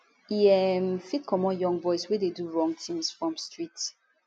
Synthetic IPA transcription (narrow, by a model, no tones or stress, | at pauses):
iɛmfit̚kʰɔmɔ̃njɔ̃ŋɡbɔɪswɛdeduɹɔ̃ŋɡ̚tʰĩmsfɹɔ̃mstɹit